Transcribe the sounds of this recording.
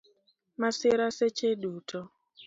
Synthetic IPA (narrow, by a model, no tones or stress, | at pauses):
masɪɾaset͡ʃeɗutʰɔ